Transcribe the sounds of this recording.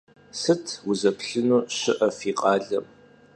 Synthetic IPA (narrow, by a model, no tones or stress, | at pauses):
sɨtʰwʊzɐpɬɨnuːɕɪʔɐfiːqʼɑːɮɐm